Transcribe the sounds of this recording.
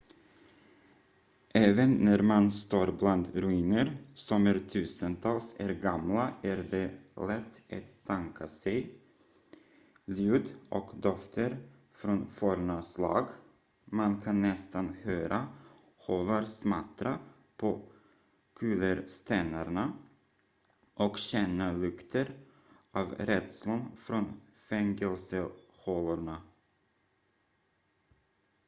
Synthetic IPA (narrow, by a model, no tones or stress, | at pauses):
ʔɛːvənːæɾmanst̪oːɾbland̪ɾʉiːnəɾsɔmæɾt̪ʰʉ̟ːsənt̪ʰɑːlsæɾɡamlaæɾd̪ɛlɛt̪ʰːʔa̰t̪ʰːaŋkʰasɛj | ljʉːd̪ʔɔkd̪ɔft̪ʰəɾ | fɾɔnfɔɾɳaslɑ̰ːɡ | mankʰanːɛst̪anhøːɾʔa | hovaɾsmat̪ɾa | pʰo | kʰʉ̟ːləɾst̪ɛnaɾɳa | ʔɔkɕɛnːalɵkt̪ʰəɾ | ʔɑːvɾɛd̪slʊnfɾɔn | fɛŋɡɛlsə | hɔlaɳa